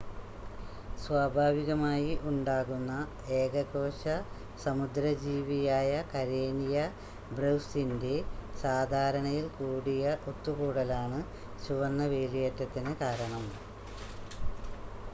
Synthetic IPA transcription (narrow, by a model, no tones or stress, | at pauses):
swaːbʱaːʋiɣɐmaːjiʔuɳɖaːɣunːɐ | eːɡɐɣo̞ːɕɐ | sɐmud̪ɾɐd͡ʑiːʋijaːjɐkɐɾe̞ːnijɐ | brewsinde̞saːd̪ʱaːɾɐɳɐjilkuːɽijɐʔot̪ːuɣuːɽɐlaːɳɨ | ɕuʋɐnːɐʋeːlijɐtːɐt̪ːinɨkaːɾɐɳɐm